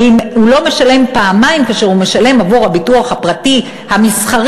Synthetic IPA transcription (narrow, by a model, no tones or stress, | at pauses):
imhulo̞me̞ʃale̞mpaːmajmkaʃeʁume̞ʃale̞mavoʁhabituaχhapʁati | hamisχaʁ